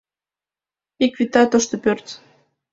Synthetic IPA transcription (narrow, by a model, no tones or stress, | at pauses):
ikvit̪ɑt̪oʃt̪opørt̪